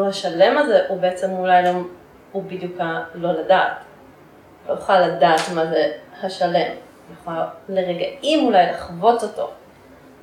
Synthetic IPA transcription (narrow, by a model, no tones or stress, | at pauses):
haʃale̞mazeʔubeet͡se̞mulajlam | ubid̪jukalo̞ladat | lojuχalːadaːtmazehaʃale̞m | juχaleʁeɡaʔimulajlaχvo̞t͡so̞to̞̰